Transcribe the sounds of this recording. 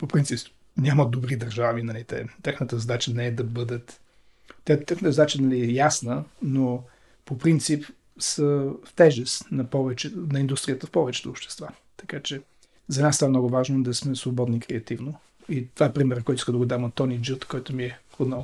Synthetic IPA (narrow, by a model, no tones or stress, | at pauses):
popɾint̪sips | nʲaməd̪obɾid̪ɐɾʒavinɐlit̪ɛ̰t̪ɛxnət̪əzɐd̪at͡ʃənɛːd̪ɐbɤd̪ət̪ | t̪ɛt̪ːɛxnət̪əzɐd̪at͡ʃənɐliɛjasnəno | popɾint̪sip | səft̪ɛʒɛst̪nɐpɔvɛt͡ʃɛnɐind̪ust̪ɾijət̪əfpɔvɛt͡ʃɛ̥t̪oːpʃt̪ɛ̥st̪va | t̪ɐ̥kat͡ʃɛ | zɐnassavɐmnɔɡʊvaʒnod̪ɐsmɛsvobɔd̪niːkɾɛɐt̪ivno | it̪ovaɛpɾimɛɾəkɔjt̪ʊiskəd̪əɡod̪amot̪ːɔnid͡ʒut̪kɔjt̪ʊmiɛod̪nɔv